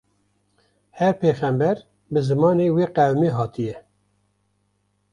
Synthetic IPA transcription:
hɛɾpʰeːxæmbɛɾ | bɨzɨmɑːneːweːqæwmeːɦɑːt̪ʰijɛ

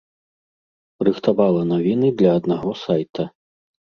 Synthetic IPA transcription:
rɨxt̪avalˠɐnavʲinɨd̪lʲɐːd̪naɣɔsajt̪ɐ

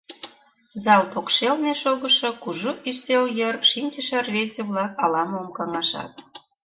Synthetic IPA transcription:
zɑlt̪okʃelneʃoɣəʃŏkuʒoʔist̪eljərʃinʲt͡ɕəʃɑrβezeβlɑkɑlɑmomkɑŋɑʃɑ̰t̪̚

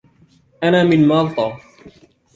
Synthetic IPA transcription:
ʔanaːmɪnmɑlt̪ˤɑː

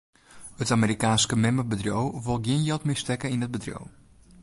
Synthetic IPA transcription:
ətameɾikaːnskəmɛməbədrjowʋolˠɡiənjɛlˠtmɪstɛkəinət̚bədrjo̰w

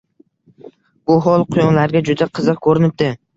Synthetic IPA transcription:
b̥ʊɦɒlˠqʰʊjɒnlaɾɡʲad͡ʒʊd̪aqʰɨzɨqkʰɵɾɪnɪp̚d̪ɪ

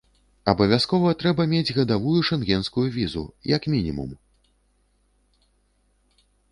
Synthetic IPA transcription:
ɐbɐvʲaskɔvɐt̪ɾɛbɐmʲed͡zʲɣɐd̪avujuʂɛnɣʲɛnskujuvʲizṵjɐkmʲinʲḭmṵm

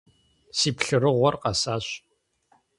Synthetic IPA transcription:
siːpɬɨɾɨʁʷɔrqɐsaːɕ

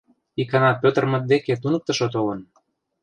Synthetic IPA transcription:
ikɑnɑpøt̪ə̆rmə̆t̪̚d̪eket̪unə̆k̚t̪ə̆ʃot̪̬olə̆n

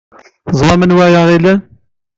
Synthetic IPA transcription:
zˤɑmənwæjɑʁilən

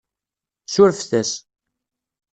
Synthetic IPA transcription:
sʊɾfθæs

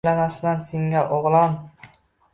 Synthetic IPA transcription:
lamasmanseŋaʔoʁlˠɒn

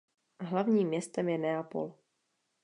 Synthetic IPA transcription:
ɦlavɲiːmːɲɛst̪ɛmjɛnɛapo̰l

